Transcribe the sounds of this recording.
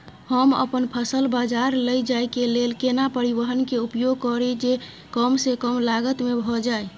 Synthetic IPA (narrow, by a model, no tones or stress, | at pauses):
həmə̰pənpʰəsəlbad͡ʒaɾləjd͡ʒajkelelkenapəɾiʋəɦənkeupjoɡ̚kɔɾed͡ʒe | kəmsekəmlaɡət̪mebʱɔd͡ʒae